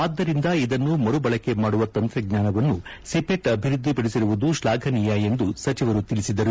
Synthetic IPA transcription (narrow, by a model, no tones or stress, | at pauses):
aːd̪ːɐɾind̪ɐid̪ɐnːumɐɾubɐɭɐkːe̞maːɽuʋɐt̪ɐnt̪ɾɐɡɲaːnɐʋɐnːusipeʈɐbʱiɾud̪ːipɐɽisiɾuʋud̪uʃlaːɡʱɐnijɐe̞nd̪usɐt͡ʃiʋɐɾut̪iɭisid̪ɐɾu